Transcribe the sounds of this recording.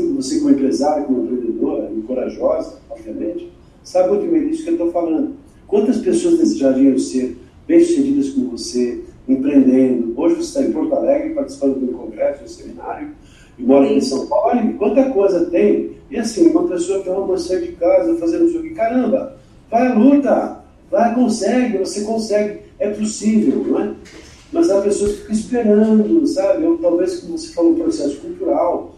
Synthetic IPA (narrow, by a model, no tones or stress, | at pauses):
sĩkvosekõmʊẽmpɾezaɾjʊkõmʊẽpɾẽnd̪ed̪oɾɐĩkoɾaʒɔzɐaviɐmẽnt͡ʃɪ̥ | sabkwɐ̃t̪ʊ̃mẽj̃d̪isʊkewt̪owfalɐ̃nd̪ʊ | kwɐ̃nt̪ɐspesoɐznesɪʒavĩɐ̃w̃seɾ | b̥ẽj̃su̥st̪ẽd͡ʒid̪ɐskõvoseẽpɾẽnd̪ẽnd̪ʊoʒɪvose̥t̪ãẽpoɾt̪alɛɡɾɪpaɾt͡ʃi̥si̥pɐ̃nd̪ʊk̪ũkõɡɾɛsʊʊ̃semĩna̰ɾjʊ | ẽbɔɾɐẽsɐ̃w̃pawlalikwɐ̃nt̪ɐkojzɐt̪ẽj̃ɪasĩũmɐpesoɐt̪õmɐmɐ̃sɛɐd͡ʒɪkazɐfazẽnd̪ʊzokɪ̃kaɾɐ̃mbɐ | vajɐlut̪ɐ | vajkõsɛɡɪvosekõsɛɡɪɛpʊsivewñɛ | mɐzapesoɐfi̥kɐispeɾɐ̃d̪ʊsabɪot̪awveskõvose̥falɐ̃pɾosɛsʊ̥kult̪uɾaw